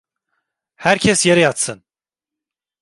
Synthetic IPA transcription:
hæɾcʰɛsjeɾɛjat̪sɯn

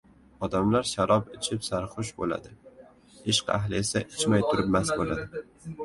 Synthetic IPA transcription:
ɒd̪amlaɾʃaɾɒpɪt͡ʃʰɪpsaɾχʊʃbo̰la̰d̪ɪ | ɪʃqa̰ɦlɪesaʔɪt͡ʃmajt̪ʰʊɾɪp̚masbolad̪ɪ

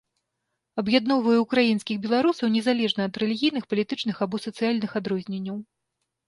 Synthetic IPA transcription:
ɐbjad̪nɔwvɐjuːkɾajin̪skʲixbʲɛlˠaɾusɐwnʲɛzalʲɛʐnɐːd̪ɾɛlʲiɣʲijnɨxpɐlʲit̪ɨt͡ʂnɨxabɔsɐt̪sɨjalʲnɨxad̪ɾɔzʲnʲenʲːɐw

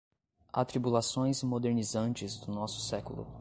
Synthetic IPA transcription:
a̰t̪ɾibulasõj̃zmod̪eɾnizɐ̃nt͡ʃɪzd̪ʊnɔsʊ̥sɛkulʊ̰

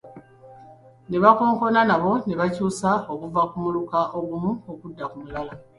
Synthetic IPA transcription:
ne̞βako̞ːŋko̞nanaβo̞ne̞βacuːsao̞kuvakumulukaʔo̞ɡumuokudːakumulawa

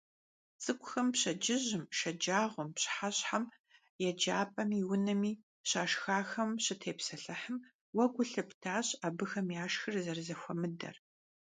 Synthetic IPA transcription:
t͡sʼɨkʷʼʊxɐmpɕɐd͡ʒɪʑɪmʃɐd͡ʒaːʁʷʊmpɕħaɕʼħam | jɛd͡ʒaːpʼɐmiːwʊnɐmiː | ɕaːʃxaːxɐmɕɪtʰeːpsɐɬɐħəm | wɐɡʷʊɬɐptʰaːɕʼabɨxɐmjaːʃxɨrzɐrzɐxʷɔmɨdɐ̰r

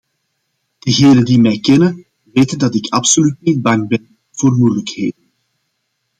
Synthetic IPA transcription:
d̥əɣeːnəndimɛjkɛnən | ʋeːtəndɑtɪkʰɑpsolytnid̚bɑŋbɛn | v̥oːrmujələkheːdən

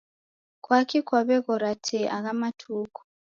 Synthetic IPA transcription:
kwakʰikwaβɛkɔɾatʰɛʔaɣamatʰuːkʰu̥

